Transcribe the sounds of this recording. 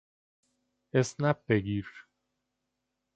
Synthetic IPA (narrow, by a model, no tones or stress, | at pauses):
esnæb̚beɡiɾ